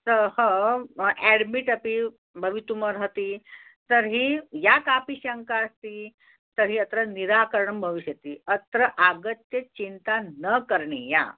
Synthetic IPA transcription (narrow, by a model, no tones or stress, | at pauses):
t̪əhə | ɛɽmiʈəpi | bʱəʋit̪uməɾɦət̪iːt̪əɾɦiːjakapiɕəŋkaəst̪iː | t̪əɾɦiːət̪ɾəniɾakəɾɳəmbʱəʋiɕjət̪iːət̪ɾəʔaɡət̪jət͡ɕint̪anəkəɾɳḛja̰